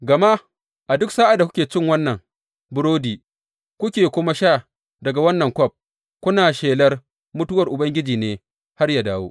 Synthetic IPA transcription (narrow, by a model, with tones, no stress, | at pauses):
ɡɐ˨ma˦ | ʔa˨dʊ˦ksaː˦ʔa˨da˨kʷʊ˦kʲeː˨t͡ʃɪ˦ŋwɐ˦nːɐ˨ŋ | bʊ˦ɾoː˦diː˨ | kʷʊ˦kʲeː˨kʷʊ˦ma˦ʃaː˦˨ | dɐ˨ɡa˨wɐ˦nːɐ˨ŋkʷɔ˦˨p̚ | kʷʊ˦naː˨ʃeː˨lɐ˦r | mʊ˦tʊ˦wɐ˨rʔʊ˨bɐ˦ŋɡʲɪ˦d͡ʒiː˨neː˦ | ha˦rjaː˨daː˦wo̰˦